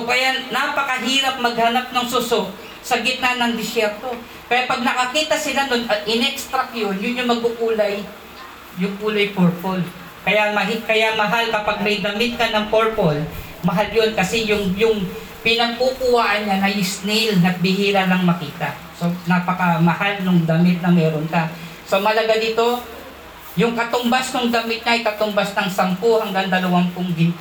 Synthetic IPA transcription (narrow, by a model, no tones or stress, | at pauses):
okɐjanapɐkɐɦiːɾɐp̚mɐɡ̚hɐnap̚nɐŋsusok̚ | sɐɡɪt̪̚nanɐŋd̪ɪsjɛɾt̪o̞ | pɐjapɐɡ̚nɐkɐkiːt̪ɐsɪlanonɐʔɪnɛkst̪ɾɐk̚jo̞njʊnjʊŋmɐɡ̚ʊkuːlɐj | jʊŋkuːlɐjpoɹpol | kɐjamɐhikɐjamɐɦalkɐpaɡ̚mɐjd̪ɐmɪt̪̚kɐnɐŋpoɹpol | mɐɦaljo̞nkɐsɛjʊŋjʊŋ | pɪnɐɡ̚pukʊwaːʔɐnɲanɐjɪsnɪlnɐt̪̚bɪhiːɾɐlɐŋmɐkiːt̪ɐ | so̞napɐkɐmɐhalnʊŋd̪ɐmɪt̪̚nɐmɛːɾonka | so̞mɐlɐɡad̪iːt̪o̞ | jʊŋkɐt̪ʊmbasnʊŋd̪ɐmɪt̪̚ɲaʔɐjkɐt̪ʊmbasnɐŋsɐmpohɐŋɡaŋd̪ɐlɐwanpʊŋɡɪnt̪